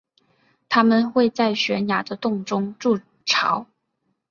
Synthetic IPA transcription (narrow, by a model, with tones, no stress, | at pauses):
t̪ʰa˥mə˨nxwe˥˧ɪt͡sa˥˩ɪɕɥɛ˧˥nja˨˩d̪ə˦t̪ʊ˥˩ŋʈ͡ʂʊ˥ŋʈ͡ʂu˥˩ | ʈ͡ʂʰɑ˧˥˦ʊ